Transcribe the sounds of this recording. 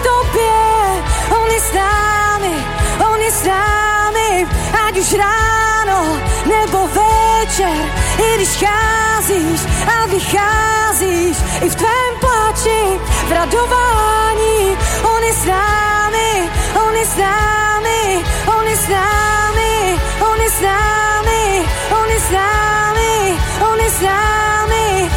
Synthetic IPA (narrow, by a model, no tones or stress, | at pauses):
t̪obɛ | ɔnjɛsnamɪ | onjɛsnamɪaɡdɪʃɾanownɛbovɛt͡ʃɛɾ | ɪɡdɪʃxaziʃavɪxaziʃɪft̪vɛmplat͡ʃɪvɾadovaɲionɪsnamɪʔonɪsnamɪʔonɪsnamɪʔonɪsnaːmɪʔonɪsnamɪonɪsnamɪ